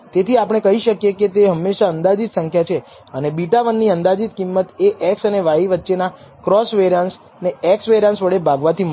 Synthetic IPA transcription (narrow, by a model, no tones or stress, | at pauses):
t̪et̪ʰiapɽ̃ekəɦiʃəkjeket̪eɦəmːeʃaənd̪ad͡ʒit̪səŋkʰjat͡ʃʰe | ənebiʈaʋənːiənd̪ad͡ʒit̪̚kimːət̪eʔɛksəneʋaɦiʋətːʃena | kɾɔsʋeɾans | neɛksʋeɾansʋəɭebʱaɡʋat̪ʰimə